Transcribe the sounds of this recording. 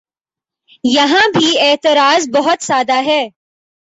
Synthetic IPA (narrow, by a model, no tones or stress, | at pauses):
jɐɦãbʱieːt̪ɪɾaːzbɐɦʊt̪saːd̪aɦɛː